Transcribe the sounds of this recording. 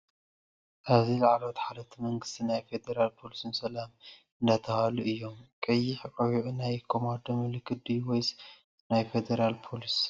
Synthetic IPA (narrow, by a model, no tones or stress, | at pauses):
ʔaβzilaʕlot̪ħalɐt̪ʰimɐŋɡɨ̥st̪ʰinajfe̞d̪eɾalpʰo̞lisɨnsɐlam | ɨnd̪at̪ʰɐhaluʔɨjːo̞mkʼɐjːɪħkʼɐwiʕnajkʰo̞mand̪ɐmɨlɨkʰːɨd̪iwojs | najfed̪eɾalpʰo̞lis